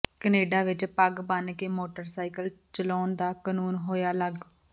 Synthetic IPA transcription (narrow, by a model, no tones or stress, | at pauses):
kəneːɖaːʋɪt͡ʃpəɡbankeːmoːʈəɾsaːikəlt͡ʃəlɔːnd̪aːkənuːnɦoːjaːləɡ